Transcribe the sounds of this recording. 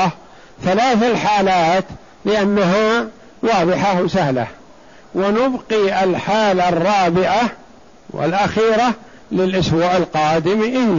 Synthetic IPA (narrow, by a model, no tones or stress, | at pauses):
θalaːθalħaːlaːt̪ | lɪʔanːaɦa | wɑːðˤɨħawsahla̰h | wɪnʊbqiːʔɪlħaːlarˤːɑːbɪʕa | wɪ̰lʔaxiːɾa | lɪlʔaswaːʔɪlqɑːd̪ɪmʔɪlː